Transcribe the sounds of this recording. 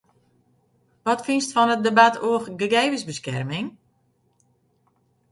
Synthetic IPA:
ʋɔtfinstfɔnət̚debatʰoəxɡəɡeːvəsbəskɛ̰rmɪŋ

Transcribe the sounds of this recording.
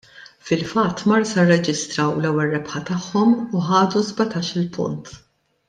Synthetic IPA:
fɪlfɐt̪ːmɐɾsɐrːɛd͡ʒɪst̪ɾɐwlɛwːɛlːɛpħɐt̪ɐħːɔmuħɐːd̪uzbɐt̪ɐːʃɪlpʊ̰nt̪

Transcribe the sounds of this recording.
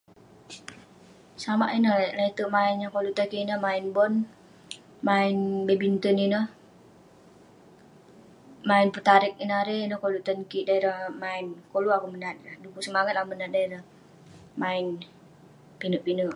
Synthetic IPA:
samaʔinəhlait̪əʔmaɪnjakoluʔt̪əkiinəhmaɪnbɔn | maɪnbebint̪əninə | maɪnpət̪aɾɪk̚inaɾenəhkoluʔt̪ənkiʔdaiɾahmaɪnkoluakumənat̪̚adukusəmaŋat̪̚amənat̪̚daiɾah | maɪn | pinəʔpinəʔ

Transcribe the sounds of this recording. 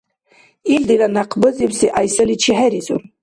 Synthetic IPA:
ild̪ilanaqʰbɨzibsiʔajsɨlit͡ʃʰiɦæɾizṵr

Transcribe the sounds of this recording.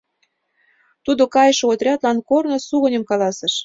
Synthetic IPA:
t̪ud̪okɑjəʃoot̪rʲɑt̪lɑnkornosuɣə̆nʲə̆mkɑlɑsə̆ʃ

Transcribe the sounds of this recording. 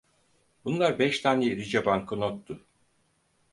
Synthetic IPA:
bunlˠaɾbɛʃt̪ʰaːneɾid͡ʒabaŋkʰɯnot̪ːʊ

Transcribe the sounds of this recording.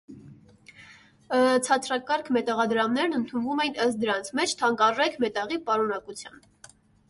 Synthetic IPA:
ət͡sʰɑt͡sʰɾɑkɑɾkʰmɛt̪ɑʁɑd̪ɾɑmnɛɾnənt̪ʰunvumɛjnəst̪̚d̪əɾɑnt͡sʰmɛt͡ʃʰt̪ʰɑŋkɑrɛkʰmɛt̪ɑʁipɑɾunɑkut͡sʰjɑ̰n

